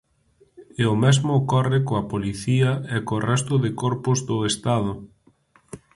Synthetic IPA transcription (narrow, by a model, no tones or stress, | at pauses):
eʊmɛzmʊkɔrɪkoɐpoliθiɐɛkorɛst̪ʊðɪkɔɾpʊzðʊest̪aðʊ